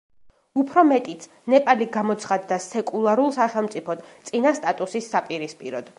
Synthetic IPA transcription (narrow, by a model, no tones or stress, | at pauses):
upʰɾɔmɛt̪ʼit̪s | nɛpʼaliɡamɔt̪sʰχad̪ːasɛkʼulˠaɾulˠsaχɛlˠmt̪sʼipʰɔd̪t̪sʼinast̪ʼat̪ʼusisːapʼiɾispʼiɾɔd̪̥